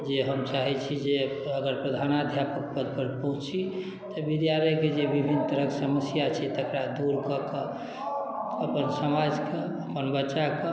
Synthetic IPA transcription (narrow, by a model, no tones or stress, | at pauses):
d͡ʒeɦəmt͡ʃaɦɛt͡ʃʰid͡ʒe | əɡəɾpɾəd̪ʱanad̪ʱjapək̚pəd̪̚pəɾpəɦũt͡ʃi | t̪ɔbid̪jaɾəked͡ʒebibʱint̪əɾəksəməsjat͡ʃʰɛt̪əkɾad̪uɾkəkə | əpənsəmad͡ʒke | əpənbətːʃake